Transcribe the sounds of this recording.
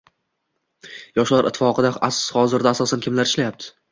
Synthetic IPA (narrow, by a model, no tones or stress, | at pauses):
jɒʃlaɾʔɪt̪ʰːɪ̥fɒqʰɨd̪aashɒzɪɾd̪aːsɒsankʰʲɪmlaɾɪʃlajap̚t̪ʰɪ̥